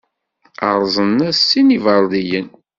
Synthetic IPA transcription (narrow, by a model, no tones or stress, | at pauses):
əɾˤzˤənːæsːinivəɾˤðijən